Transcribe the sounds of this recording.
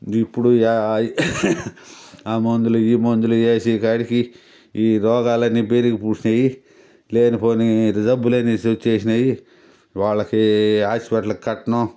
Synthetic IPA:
ipːuɽu | aːmond̪uluiːmond̪uluejsiːkaːɽiki | iːɾɔːɡaːlɐnːiːbeːɾikipuːt͡ʃinɐji | leːnipoːniɾid͡ʒɐbulɐnisot͡ʃːeːsinɐji | ʋaːɭːɐkiaːspɐʈlɐkikɐʈːɐnɐ

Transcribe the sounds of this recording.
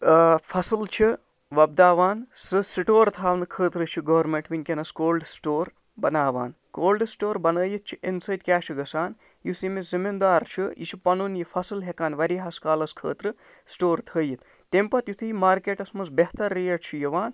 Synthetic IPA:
pʰɐsɨlt͡ʃʰi | ʋɐb̚d̪aːʋaːnsɨsiʈoːɾt̪ʰaːʋnɨkʰəːt̪ɾɨt͡ʃʰiɡɐʋɐɾmeɳʈʋinʲkʲenɐskoːlɖsʈoːɾ | bɐnaːʋa̰ːn | koːlɖsʈoːɾbɐnəːjit̪̚t͡ʃʰiʔensɐjt̪̚kʲaːʃʰiɡɐsaːn | jusimizimind̪aːɾt͡ʃʰiḭt͡ʃʰipɐnunjipʰɐsɨlɦekaːnʋɐɾiɦɐskaːlɐskʰəːt̪ɾɨ | sʈoːɾt̪ʰəːjit̪ | t̪empɐt̪jut̪ʰijmaːɾkeːʈɐsmɐsbeɦt̪ɐɾːijɐʈt͡ʃʰijɐʋaːn

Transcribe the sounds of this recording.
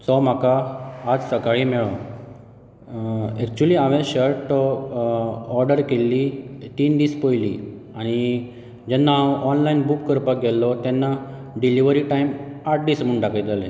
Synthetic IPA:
t͡sɔm̤akaːd͡zsəkaɭimɛɭɔ | ɛk̚t͡ɕuliːaʋẽɕəɾʈ | ɔɾɖəɾkelːit̪iːnd̪iːspojlḭ | aɽ̃i | d͡ʑɛnːaːʔɔnlainbukːəɾpak̚ɡɛlːɔt̪ɛnːa | ɖiliʋəɾiʈajmaʈ̚d̪iːsmuɳɖakʰəjd͡z̪ale

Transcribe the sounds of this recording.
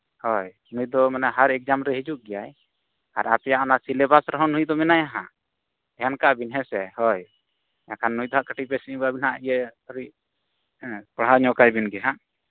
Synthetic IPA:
hɔj | nujd̪ɔmɛnaɦaɾɛk̚d͡ʒamɾɛɦid͡ʒuʔ̚ɡɛjaj | a̰ɾapɛjaʔanasilɛbasɾɔɦɔ̃nũjd̪ɔmɛnajaɦã̰ | ɛjankaʔbinɦɛsɛhɔj | jakʰanːujd̪ɔɦaʔkəʈipɛsiʔɡabinaʔijəɾi | paɽɦaɲɔkajbinɡɛɦãʔ

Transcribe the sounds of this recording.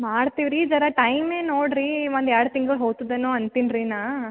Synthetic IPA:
maːɽt̪iʋɾid͡ʒɐɾɐʈɐjmeːnoːɽɾiʋɐnd̪aːɽɐt̪iŋɡɐɭɦoːɡt̪id̪enoːɐnt̪inɾinaː

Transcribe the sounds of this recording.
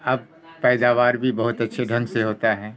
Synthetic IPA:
ɐb̚ | pɛːd̪aːʋaːɾbʱibɐɦʊt̪ɐtːʃʰeɖʱɐ̃nseɦoːt̪aɦɛː

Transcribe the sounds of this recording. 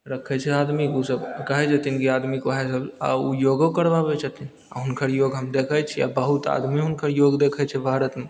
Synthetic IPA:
ɾəkʰɛt͡ʃʰɛaːd̪mikosəbkaɦɛd͡ʒat̪inkiad̪mikoɦɛsəba̰ujoɡokəɾbabɛt͡ʃʰat̪in | a̰ɦʊnkʰəɾjoːɡɦəmd̪ekʰɛt͡ʃʰɛja̰bəɦut̪a̰d̪miɦʊnkʰəɾjoɡd̪ekʰɛt͡ʃʰɛbʱaɾət̪me

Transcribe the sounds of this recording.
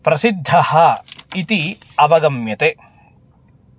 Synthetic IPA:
pɾɐsid̪ʱːɐhɐit̪i | ɐʋɐɡɐmjɐt̪e

